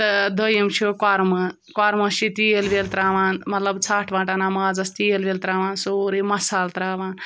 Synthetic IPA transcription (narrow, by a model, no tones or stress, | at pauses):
t̪d̪əjimt͡ʃʰukwaːɾmə | kwaːɾmɐsit̪ielbelt̪ɾaːʋaːnmɐt̪lɐbt͡sʰaːʈʰbãːʈaːnamaːd͡zɐst̪ielbelt̪ɾaːʋaːnsoːɾimɐsaːlt̪ɾaːʋaːn